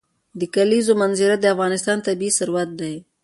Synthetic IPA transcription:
d̪əkalizomanzɪɾad̪əafɣɑnɪst̪ɑnt̪abiːsʊɾwat̪̚d̪aj

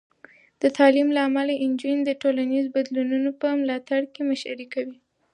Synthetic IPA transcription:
d̪̥ət̪ʰɑlimlaːmalaʔɪnd͡ʒind̪əʈolanizbad̪lununopəmlɑt̪aɽkemaʃa̰ɾikawi

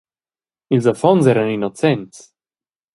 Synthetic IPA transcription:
ilzafɔnzɛɾaninot͡sɛnts

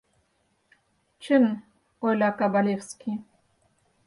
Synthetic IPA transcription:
t͡ʃʰɨn | ojlʲakabalʲefskʲʰi

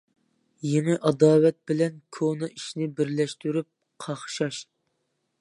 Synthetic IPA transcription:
jeŋɨʔɑd̪ɑːwɛt̪̚bɪlɛnkʰonɨʔiʃnɪbɪɾlɛʃt̪yɾyp̚ | qʰɑχʃɑʃ

